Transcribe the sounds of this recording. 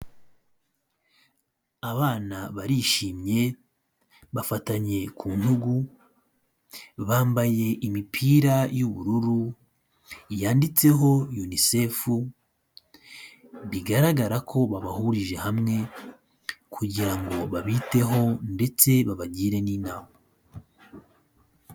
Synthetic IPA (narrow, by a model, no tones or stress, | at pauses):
aβaːnaβaɾiʃiːmɲe̞ | βafataɲe̞kʰuːn̥huɡu | βaːmbaje̞ʔimipʰiːɾajuβṵɾuɾu | jaːndit͡se̞ɦo̞junisefu | βiɡaɾaɡaɾakʰo̞βaβahuɾiʒe̞hamŋe̞ | kʰuɟiɾaŋɡo̞βaβite̞ɦo̞nde̞t͡se̞βaβaɟiːɾe̞niːnaːma